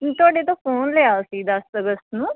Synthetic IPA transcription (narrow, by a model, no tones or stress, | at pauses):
t̪ʊaːɖeːt̪õːfʰoːnlejaːsiːd̪əsəɡəst̪nũː